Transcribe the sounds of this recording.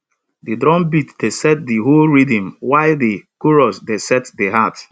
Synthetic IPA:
didɾɔ̃mbitdesɛt̚diɦolɹidĩmwaɪldikuɾɔsdesɛtdeɦat

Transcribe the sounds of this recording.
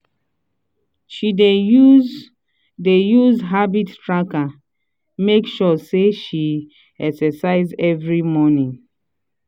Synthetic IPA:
ʃideu | dejuzɦabittɹaka | mekʃɔseʃi | ɛksɛsaɪzɛvɹimɔnĩŋ

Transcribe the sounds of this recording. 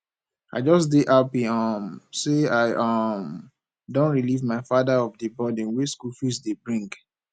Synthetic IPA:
a̰ɪd͡ʒɔsdeʔapĩɔmseaɪʔɔm | dõnɹilivmaɪfadaɔvdəbɔdĩnweskufisdebɹĩŋɡ

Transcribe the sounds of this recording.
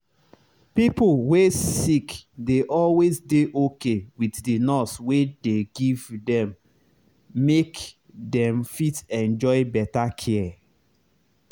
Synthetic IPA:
pipwesikdeʔɔlwezdeʔokewiddinɔswedeɡivdɛ̃mː | ek | dɛ̃mfitɛ̃nd͡ʒɔɪbɛtakʰɛ

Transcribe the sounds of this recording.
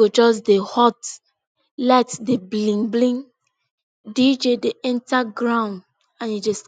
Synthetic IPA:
od͡ʒɔs̬dehɔt | lɛtdeblĩŋblĩŋ | did͡ʒedeɛ̃ntaɡɹãʊ̃nd | ãnjud͡ʒɔs

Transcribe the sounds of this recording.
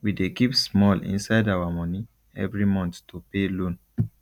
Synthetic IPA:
widekipsmɔlḭ̃nsaɪdawamɔ̃ni | ɛ̰vɹimɔ̃nttopelõn

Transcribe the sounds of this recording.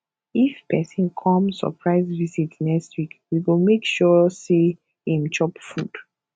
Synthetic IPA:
ifpɛsĩnkʰɔ̃mɔ̰pʰɹaɪzvizitnɛkstwikwiwilmekʃɔse | hĩmt͡ʃɔpfud̥

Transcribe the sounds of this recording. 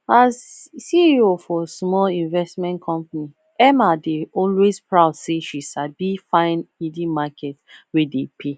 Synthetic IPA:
az | siiofɔsmɔlĩnvɛstmɛ̃ntkʰɔ̃mpani | ɛmadeɔlwespɹaʊdseʃiʃabifãɪnidimakʰɛtwedepʰe

